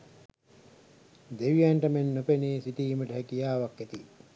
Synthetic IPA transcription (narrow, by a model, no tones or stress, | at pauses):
d̪eʋijæɳʈɐmenːopeneːsiʈiːməʈəɦækijaːʋakːet̪i